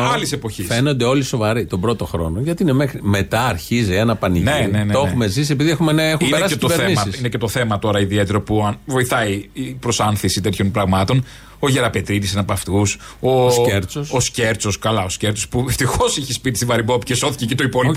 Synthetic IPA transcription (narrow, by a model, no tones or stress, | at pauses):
ɐlise̞po̞çisfe̞nond̪eo̞liso̞vɐɾit̪o̞bɾo̞t̪o̞xɾo̞̰no̞ʝɐt̪iinemexɾime̞t̪ɐɐɾçizɐnɐpɐniʝneineneoexume̞zise̞piðiexumenexmeieɐset̪oveɾeimɐsisinecet̪oθe̞mɐt̪o̞ɾɐiðiet̪eɾo̞puɐnvo̞iθɐiipɾo̞sɐnθisit̪et̪ʰço̞npɾɐɣmɐt̪o̞n | oʝe̞ɾɐpet̪ɾit̪isenɐpɐft̪us | ooseɾt͡sososce̞ɾt͡so̞skɐlɐosceɾt͡sospueft̪ixo̞siçispit̪ist̪ivɐɾibo̞pcesoθicecit̪oipoli